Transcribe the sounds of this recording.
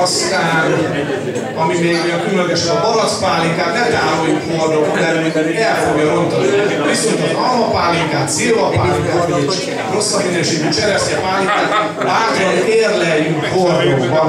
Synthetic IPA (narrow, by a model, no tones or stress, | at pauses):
st̪aːn | ɒmimeːɡnekylløɡɛʃɛnɒbɒɾɒt̪paːlikaːt̪nɛmt̪aːmojukhord̪ombɛlylːɡɛlfo̞ɡjɒɾo̞nt̪ɒnnibisunt̪ot̪ɒlmɒpaːlikaːt̪siːvɒpaːliŋkaːt̪meɛt͡ʃ | ro̞sːɒminøːʃeːɡyt͡ʃɛɾɛstɛpaːlikaːt̪ | vaːt̪oneːrlɛjyŋkhord̪okbɒ